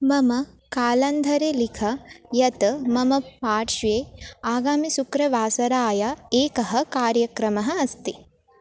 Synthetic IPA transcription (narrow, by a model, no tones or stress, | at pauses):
mɐmɐ | kaːlɐnd̪ʱɐɾeːlikʰɐjɐt̪mɐmɐpaːʈʃʋeːaːɡaːmisukɾɐʋaːsɐɾaːjɐeːkɐɦɐ̆kaːɾjɐkɾɐmɐɦɐ̆ɐst̪i